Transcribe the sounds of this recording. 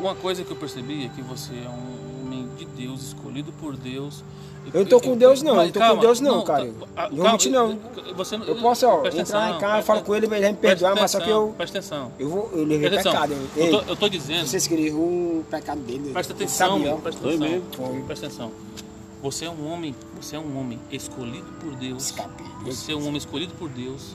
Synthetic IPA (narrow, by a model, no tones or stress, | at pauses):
ũmɐkojzɐkɪewpeɾsebiɛkɪvoseɛũ | oõmẽj̃d͡ʒɪd̪ewzɪskolid̪ʊpoɾd̪ews | ewñt̪okõd̪ewznɐ̃w̃enũt̪ookõd̪ewznɐ̃w̃kaɾɐẽ | mũt͡ʃɪnɐ̃w̃ | voseewpɔsʊɔẽɾaẽkaewfalʊkõelɪmelamɪpehd̪õamasɔkɪewpɛʃt̪ẽsɐ̃w̃ewvoewleveʃpɛ̃kad̪ʊeeoewt̪od͡ʒizẽosejsɪ̥kelevẽpɛkad̪ʊd̪elpɛʃt̪ẽsãbĩõpɛʃẽõm̃pɛʃt̪ẽsɐ̃w̃ | voseɛũõmẽj̃ | voseɛũõmẽj̃eskolid̪ʊpoɾd̪ewskapevoseɛũõmẽskolid̪ʊpoɾd̪ews